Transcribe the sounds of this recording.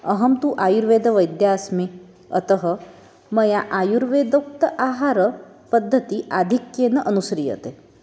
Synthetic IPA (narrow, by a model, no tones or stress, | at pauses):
ɐɦɐmt̪uʔaːjuɾʋeːd̪ʱɐʋɐjd̪jaːsmi | ɐ̰t̪ɐɦɐ̆ | mɐjaʔaːjuɾʋeːd̪ɐk̚t̪ɐʔaːɦaːɾɐ | pɐd̪ʱːɐt̪iʔaːd̪ʱikjenɐʔɐnusɾijɐ̰t̪e